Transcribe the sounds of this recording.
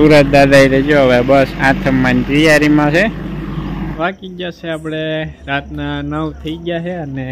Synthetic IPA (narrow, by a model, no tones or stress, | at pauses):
suɾət̪̚d̪ad̪aiɾed͡ʒoɦəʋebəsãt̪ʰəmːãnd͡ʒɾijaɾimãse | ʋakid͡ʒaʃeapɽeɾat̪nanəwt̪ʰəid͡ʒaʃeəne